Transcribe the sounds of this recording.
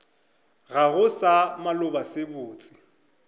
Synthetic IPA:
ɣaɣʊsamalʊbasebʊːt͡sʼɪ̥

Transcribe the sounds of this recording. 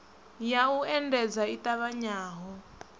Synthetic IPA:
jauɛndɛd͡zaitaβaɲaːɦɔ

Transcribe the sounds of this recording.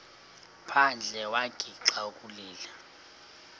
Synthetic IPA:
pʰand͡ɮʱɛwaɡ̥ʱiǁaukʼuliːla

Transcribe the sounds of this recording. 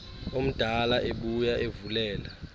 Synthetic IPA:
om̩d̥ʱalaʔeɓujaevulɛːla

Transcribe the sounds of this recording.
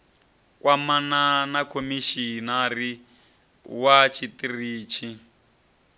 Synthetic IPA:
kwamananakʰomiʃinari | wat͡ʃʰitiriːt͡ʃʰi

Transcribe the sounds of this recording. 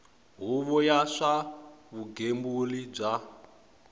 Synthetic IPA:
ɦuβɔjaʂaβuɡembulib͡ʐa

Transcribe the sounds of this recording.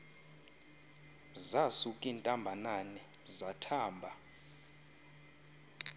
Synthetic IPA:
zasukʼintʼambʱananɛzatʰaːmbʱa

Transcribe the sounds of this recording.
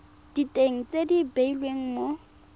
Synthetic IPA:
d̥itʼeŋ̩t͡sʼedibeilweŋ̩mo

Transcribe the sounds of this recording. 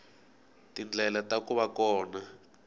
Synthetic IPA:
tind͡ɮʱɛlatakuβakɔːna

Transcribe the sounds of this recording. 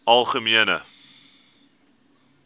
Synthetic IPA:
ɐlˠχəmiənə

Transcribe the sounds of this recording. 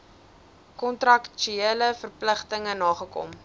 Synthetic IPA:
kɔntrɐkt͡ʃyeləfərpləχtəŋənɑːχəkɔ̰m

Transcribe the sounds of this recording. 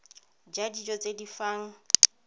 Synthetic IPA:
d͡ʒadid͡ʒɔt͡sʼedifaːŋ̩

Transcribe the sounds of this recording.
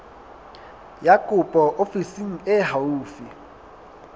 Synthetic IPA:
jakʼʊpʼɔʔofisiŋ̩ɪɦauːfi

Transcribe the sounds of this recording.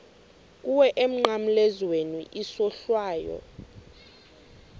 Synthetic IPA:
k̬ʼuwɛʔem̩ŋ͡ǃam̩lɛzwenuʔisɔɬwaːjɔ̰

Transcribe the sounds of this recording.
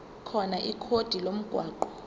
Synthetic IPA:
kʰɔnaʔikʰod̥ʱilom̩ɡ̥ʱwaːǃɔ

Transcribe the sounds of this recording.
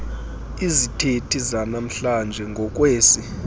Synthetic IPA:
izitʰetʰizanam̩ɬand͡ʒʱɛŋɡʱɔk̬ʼweːsi

